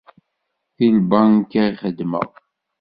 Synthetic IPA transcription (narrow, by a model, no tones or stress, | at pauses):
θilbankæχəd̪mə̰ʁ